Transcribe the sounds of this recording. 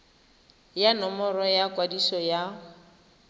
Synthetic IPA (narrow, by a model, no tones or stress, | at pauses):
janɔmɔrɔjakwadisɔja